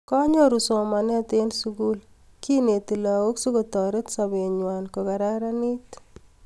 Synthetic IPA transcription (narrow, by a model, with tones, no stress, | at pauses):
kɔ˦ɲo˦ɾu˨so˨ma˨nɛ˦t̪e˦nsuku˦l | ki˦ne˨t̪i˨la˨wo˦ksu˦ko˨tɔ˨ɾe˦tsa˨be˨ɲwanko˨ka˨ɾaɾa˦ni˦t